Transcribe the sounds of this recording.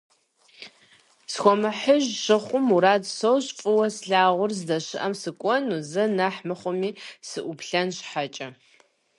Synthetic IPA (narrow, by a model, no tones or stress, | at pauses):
sxʷɔmɨħəʑɕɨχʷʊmuɾaːdsowɕfʼɨwɐsɬaːʁʷʊrzdɐɕɪʔɐmsɨkʷʼɔnuzɨnɐħmɨχʷʊmiːsɨʔʊpɬɐnɕħat͡ʃʼɐ